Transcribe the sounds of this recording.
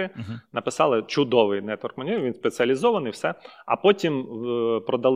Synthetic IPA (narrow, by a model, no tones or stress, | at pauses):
ɪnɐpɪsɑlˠɪt͡ʃʊd̪ɔʋɪjnɛt̪ʋɔrkmɐnʲiʋʲinspet͡sʲiɐlʲizɔʋɐnɪjwsɛɐpɔtʲimpɾɔd̪ɐlˠ